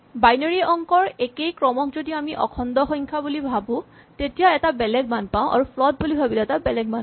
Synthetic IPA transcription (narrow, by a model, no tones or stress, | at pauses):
bajnɔɹiɔŋkɔɹekejkɹɔmɔkzodiamiʔɔ̰kʰɔndɔxɔjŋkʰabulibʱabʊ̃ | tetijaɛtabɛlɛɡ̚manpaʊ̃ʔa̰ɹupʰlɔt̚bulibʱabilɔɛtabɛlɛɡ̚man